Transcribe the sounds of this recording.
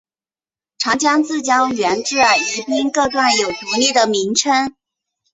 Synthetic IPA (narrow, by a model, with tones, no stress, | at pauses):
ʈ͡ʂʰɑ˧˥ŋt͡ɕjɑ˥ŋt͡sɹ̩˥˩t͡ɕjɑ˥ʊɥɛ˧˥nʈ͡ʂɻ̩˥˩ə˧˩i˧˥pi˥ŋkɤ˥˧ʈ͡ʂ̪wa˥˩njo˨˩ʊpi˧˥li˥˩d̪ə˩mi˧˥ŋʈ͡ʂʰə˥ŋ